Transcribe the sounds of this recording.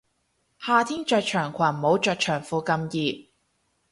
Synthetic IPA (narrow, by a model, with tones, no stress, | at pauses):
haː˨˧t̪ʰiː˥nt͡ʃœː˧k̚t͡ʃʰœː˨˩ŋkʷʰwɐ˨˩m̩˨˩ho˨˥wt͡ʃœː˧k̚t͡ʃʰœː˨˩ŋfuː˧kɐ˧mjiː˨˧